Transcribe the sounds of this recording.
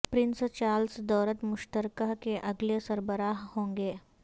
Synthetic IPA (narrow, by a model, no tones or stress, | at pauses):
pɾɪnst͡ʃaːlsd̪ɔːɾət̪mʊʃt̪əɾkakeʔɐɡlesəɾbəɾaːɦhõːŋɡeː